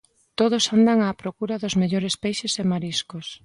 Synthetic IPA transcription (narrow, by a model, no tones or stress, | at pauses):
t̪oðosand̪aŋaːpɾokuɾaðozmeʎoɾespejʃesemaɾiskos